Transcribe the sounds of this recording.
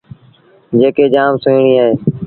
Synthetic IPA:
d͡ʒeːkeːd͡ʒaːmsʊːɽiːaːɦeː

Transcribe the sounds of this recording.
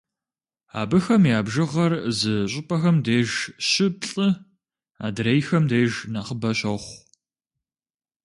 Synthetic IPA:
a̰ːbɨxɐmjaːbʒɨʁɐrzɨɕʼɪpʼɐxɐmdeːʒɕɪp̚ɬʼɨ | a̰ːdɾejxɐmdeːʒnaːχəbɐɕɐχʷ

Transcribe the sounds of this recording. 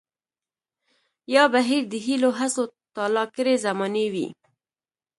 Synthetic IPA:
jɑbaɦiɾd̪əɦiloɦasot̪ɑlɑkəɾezamɑnewḭ

